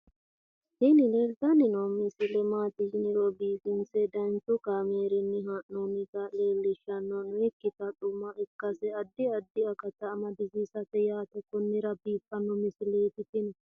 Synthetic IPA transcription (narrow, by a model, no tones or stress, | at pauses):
hɪnɪlɛɾd̪ɐnɪnɔmɪsɪlɛmaːt̪ɪʃɪnɪɾobiːfɪnsɛd̪ɐnt͡ʃʊkameːɾɪnːɪɦaʔnɔnɪt̪ɐle̞ːlːɪʃɐnːɔnʊɛkːɪt̪ɐt̪ʼʊmːɐʔɛkːɐsɛɐd̪ːɪɐd̪ːɪɐkɐt̪ːɐːmɐd̪ɪzisɐt̪ɛjaːt̪ɛkːɔnːɪɾɐbiːpʼːɐnːɔmɪsɪleːt̪ɪt̪ɪnɛ